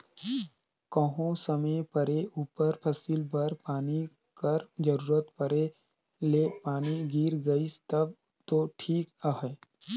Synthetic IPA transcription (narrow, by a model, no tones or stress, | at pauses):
kəɦõsəmepəɾeuːpəɾpʰɐsilbəɾpaːni | kəɾd͡ʒəɾuːɾət̪pəɾe | leːpaːniɡiːɾɡəist̪əb̚ | t̪oʈʰiːkəɦɛ